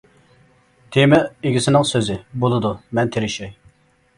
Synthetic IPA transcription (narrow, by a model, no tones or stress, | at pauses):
t̪ʰemɛeɡʲisɪnɪŋsøzɪbolˠɨd̪umɛnt̪ʰeɾɪʃɛj